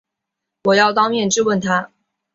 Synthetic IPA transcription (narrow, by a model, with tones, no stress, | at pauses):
wɔ˨˩jɑ˥˩ʊt̪ɑ˥ŋmjɛ˥˧nʈ͡ʂɻ̩˥˧wə˥˩nt̪ʰa˥